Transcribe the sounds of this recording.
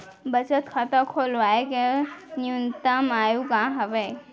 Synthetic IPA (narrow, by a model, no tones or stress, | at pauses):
bət͡ʃət̪kʰat̪ãkʰolʋaːekeniunt̪amaːjukãɦəʋe